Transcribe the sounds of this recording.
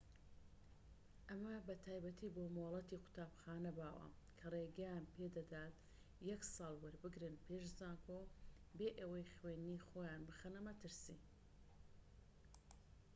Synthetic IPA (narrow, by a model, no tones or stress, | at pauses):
ʔɐmɐbɐt̪ʰaːjbɐt̪ʰiːboːmolˠɐt̪iːqʰʊ̥t̪ʰaːbxaːnɐbaːwɐ̰kʰɐreːɡɛjaːnpʰeːd̪ɐd̪aːt̪̚ | jɛksɑːlˠwɐɾbɨɡɾɨnpʰeːʃzaːkʰobeːʔɐwɐjχweːniːxoːjaːnbɨxɐnɐmɐt̪ɨɾsḭ